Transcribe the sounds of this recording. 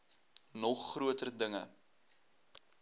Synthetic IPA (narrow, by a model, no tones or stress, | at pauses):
nɔχːruətərdəŋə̰